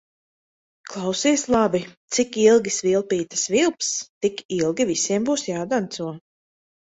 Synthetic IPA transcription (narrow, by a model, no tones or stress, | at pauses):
klˠawsiːslˠabit̪sikilˠɡʲisvilˠpiːt̪ḁsvilˠpst̪ikilˠɡʲivisʲiɛmbuːsjaːd̪ant̪suɔ